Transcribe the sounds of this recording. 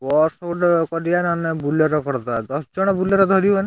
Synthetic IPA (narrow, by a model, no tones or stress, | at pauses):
wɔsoɖkɔɾijanɔnebulɔɾɔkɔɾt̪ad̪ɔsd͡ʒɔɽ̃ɔbulɔɾɔd̪ʱɔɾibane